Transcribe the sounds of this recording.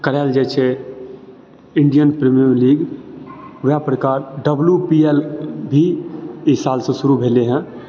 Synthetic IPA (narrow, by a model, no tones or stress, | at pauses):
kəɾɛːld͡ʒɛːt͡ʃʰe | ɪ̃ɳɖijənpɾemijəɾliːɡ | ʋapɾəkaːɾɖəbljupiːeːlbʱiɪsaːlsẽsʊɾubʱeːleɦɛ̃